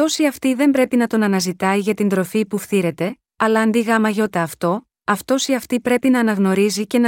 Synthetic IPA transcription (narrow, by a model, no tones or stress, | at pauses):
t̪o̞siɐft̪iðe̞mbɾe̞pinɐt̪o̞nɐnɐzit̪ɐiʝɐt̪ind̪ɾo̞fipufθiɾe̞t̪e̞ | ɐlɐːnd̪iɣɐmɐʝo̞t̪ɐːft̪o̞ | ɐft̪o̞siɐft̪ipɾe̞pinɐːnɐɣno̞ɾizice̞n